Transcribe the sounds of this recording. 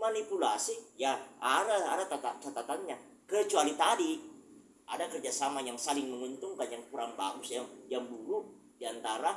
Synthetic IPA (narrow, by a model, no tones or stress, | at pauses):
manipulasijaaɾaadat̪at̪at̪at̪at̪aŋɲa | kət͡ʃualit̪adi | ʔa̰dakərd͡ʒasamajaŋsalɪŋməŋunt̪uŋkanjaŋkuɾaŋba̰ɡʊsjajaŋbuɾu | diant̪aɾa